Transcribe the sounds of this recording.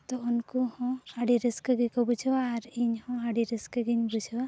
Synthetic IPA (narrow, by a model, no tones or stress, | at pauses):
t̪ɔunkuhɔ̃aɖiɾiskəɡikɔbud͡ʒʱaːɾiɲhɔ̃aɖiɾiskəɡiɲbud͡ʒʱwa